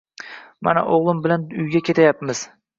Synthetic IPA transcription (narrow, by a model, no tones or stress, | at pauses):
ma̰na̰ʔoʁlˠɪmbɪlanʊjɡʲakʲʰe̞t̪ʰajapmɪz̥